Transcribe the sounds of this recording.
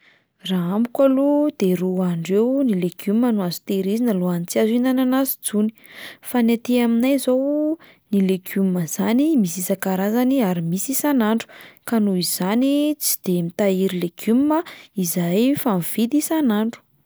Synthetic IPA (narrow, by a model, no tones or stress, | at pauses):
raambu̥kalud̪̥eɾuaɳɖ͡ʐewnileɡumːənuazu̥t̪eɾizinəluanit͡siazinananazid͡zuni̥fanat̪eaminajzow | nileɡumːəz̥animisisakaɾazaniaɾimisisanaɳɖ͡ʐu̥kanuiz̥anit͡si̥d̪̥emit̪aiɾileɡ̥umməizajfanv̥id̪isanaɳɖ͡ʐu̥